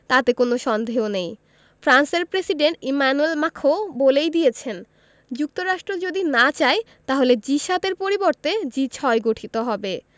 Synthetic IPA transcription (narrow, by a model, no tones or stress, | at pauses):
t̪at̪ekonoʃɔnd̪ʱeɦonej | fʰɾanseɾpɾesiɖeɳʈimanuelmakʰobolejd̪ijet͡ɕʰen | d͡ʑuk̚t̪oɾaʃʈɾod͡ʑod̪inat͡ɕae | t̪aɦoled͡ʑiʃat̪eɾpoɾiboɾt̪ed͡ʑit͡ɕʰɔeɡoʈʰit̪oɦɔbe